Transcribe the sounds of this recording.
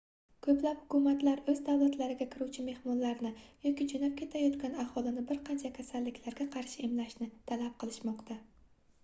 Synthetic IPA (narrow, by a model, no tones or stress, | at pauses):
kʰɵplaphʊkʰumat̪laɾɵzd̪awlat̪laɾɪɡʲakʲʰɪɾuwt͡ʃʰɪme̞hmɒnlaɾnɪjɒkʲid͡ʒonap̚kʲʰe̞t̪ʰajɒt̪kʲanahɒlɪnɪbɪɾqʰɑnt͡ʃʰakʲʰasalːɪkʲlaɾɡʲaqʰɑɾʃɪɪmlaʃnɪt̪ʰalap̚qʰɨlˠɪʃmɒqt̪ʰa